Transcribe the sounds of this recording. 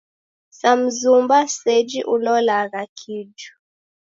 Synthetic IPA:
sam̩zumbasɛd͡ʒiʔulɔlaɣakʰid͡ʒu̥

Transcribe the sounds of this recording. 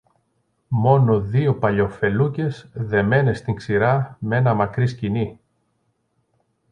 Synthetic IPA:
mo̞no̞ðio̞pɐʎo̞fe̞luce̞sðe̞me̞ne̞st̪iŋksiɾɐme̞nɐmɐkɾiscini

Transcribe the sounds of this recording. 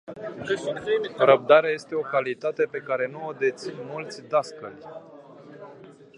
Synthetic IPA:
oɾəb̚d̪aɾeaje̞st̪e̞o̞kalit̪at̪e̞pe̞kaɾe̞nuo̞d̪e̞t̪sinmult̪sʲd̪askəlʲ

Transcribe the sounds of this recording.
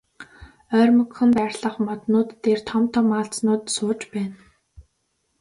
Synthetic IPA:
œːrʲmɵ̆kxɵ̆nt̪arʲɮə̆χmɔt̪nʊːt̪ːert̪ʰɔmt̪ʰɔmaːɬt͡snʊːt̪sʊːt͡ɕpæːn

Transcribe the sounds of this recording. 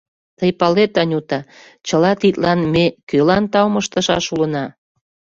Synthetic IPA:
t̪əjpɑlet̪ɑnʲut̪ɑ | t͡ɕəlɑt̪it̪lɑnmekølɑnt̪ɑwməʃt̪əʃɑʃulənɑ

